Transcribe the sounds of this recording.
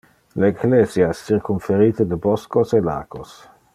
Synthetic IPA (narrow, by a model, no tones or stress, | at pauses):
leeɡleːzjaɛsːirkuɱfeɾiːt̪əd̪əbɔskosela̰ːɡ̥os